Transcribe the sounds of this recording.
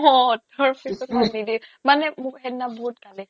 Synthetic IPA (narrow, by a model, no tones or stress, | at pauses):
ɔdɔɹpʰisɔnidimanɛmʊkɦɛnːabɔɦut̚kalɛ